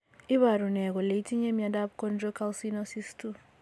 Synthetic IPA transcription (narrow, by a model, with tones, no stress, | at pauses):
i˦βa˨ɾu˨nɛ˨ɣɔ˨le˨i˦tʰi˦ɲe˦mi˨a˨da˦b̚kɔ˦nɾɔ˦ka˦lsi˦nɔ˦si˦stu˦